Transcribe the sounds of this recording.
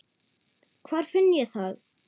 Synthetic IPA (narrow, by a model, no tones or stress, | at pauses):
kʰvaːɾ̥fʏnːjɛθað